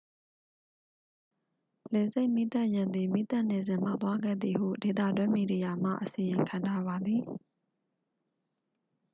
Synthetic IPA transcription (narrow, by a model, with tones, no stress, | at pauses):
le˨ze˦ɪʔmi˦t̪a˦˨ʔjã˨nd̪i˨mi˦t̪a˦ʔne˨zɪ̃˨m̥a̰˦˨t̪wa˦ɡɛ̰˦˨d̪ði˨hṵ˦˨de˨t̪̬ä̰˦˨dwɪ̃˦mi˨di˨ja˨m̥a̰˦˨ʔəsi˨jɪ̃˨ŋkʰã˨ntʰa˦βa˨d̪i˨